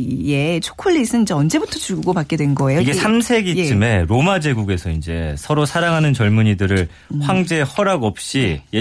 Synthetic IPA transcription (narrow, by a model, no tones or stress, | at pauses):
je̞t͡ɕʰo̥kʰoʎːisʰɯnind͡ʑe̞ʌnd͡ʑe̞butʰʌt͡ɕuɭɡuɡopak͈e̞dwe̞nɡʌe̞joiɡesʰamsʰe̞ɡit͡ɕɯme̞ɾomad͡ʑe̞ɡuɡe̞sʰʌind͡ʑe̞̰sʰʌɾosʰaɾaŋɦanɯnt͡ɕʌɭmuɲidɯɾɯɭ | ɸwaŋd͡ʑe̞hʌɾaɡʌp̚ɕ͈ije